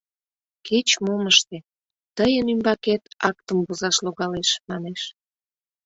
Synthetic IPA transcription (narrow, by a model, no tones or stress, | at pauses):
ket͡ɕmoməʃt̪e | t̪əjənymbɑket̪ɑk̚t̪əmbozɑʃloɣɑleʃmɑneʃ